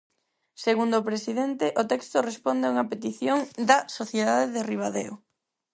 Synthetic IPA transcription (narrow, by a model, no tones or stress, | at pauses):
seɣund̪opɾesiðent̪eʔot̪ɛkst̪ʊrespond̪eauŋɐpet̪iθjoŋd̪ɐsoθjeðaðeðeriβ̞aðḛo